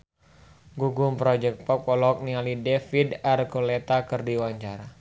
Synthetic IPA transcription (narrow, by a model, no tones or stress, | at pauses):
ɡuɡumpɾɔd͡ʒɛk̚t̪̚pɔp̚ɔlɔk̚nialidɛfidarkolɛt̪akɨrdiwaɲt͡ʃaɾa